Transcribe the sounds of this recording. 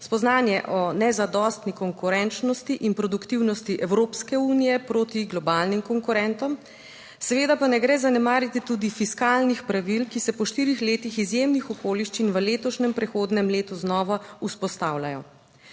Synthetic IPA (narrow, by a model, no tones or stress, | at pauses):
spɔznaːnjɛʔɔnɛzad̪ɔst̪nikɔŋkuɾɛnt͡ʃnɔst̪iʔinpɾɔd̪ukt̪iwnɔst̪iʔɛwɾoːpskɛuːnijɛpɾoːt̪iɡlɔbaːlnimkɔŋkuɾɛnt̪ɔm | sɛʋeːd̪apanɛɡɾɛːzanɛmaːɾjit̪it̪uːd̪ifiskalnixpɾaʋilkisɛpɔʃt̪iːɾixleːt̪ixizjemnixɔkoːliʃt͡ʃinʋəleːt̪ɔʃnɛmpɾɛxoːd̪nɛmleːt̪uznɔːʋauspɔst̪awlajɔ